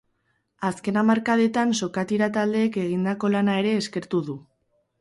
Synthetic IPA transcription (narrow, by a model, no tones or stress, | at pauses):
aske̞namaɾkaðe̞t̪anso̞kat̪iɾat̪ald̪e̞ːke̞ɣ̞ind̪ako̞lanae̞ɾe̞ːske̞ɾt̪uðu